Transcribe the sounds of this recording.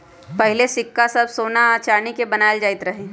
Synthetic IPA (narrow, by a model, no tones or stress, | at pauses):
pɐɦɪlesɪkːasɐbsoːnat͡ʃaːnikebɐnaːjld͡ʒaːɪt̪ɾɐɦẽː